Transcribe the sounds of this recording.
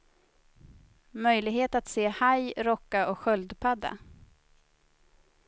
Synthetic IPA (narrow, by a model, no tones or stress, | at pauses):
mœjlɪɡheːt̪at̪seːhajɾɔkːaʔɔkɧœld̪pʰad̪ːa̰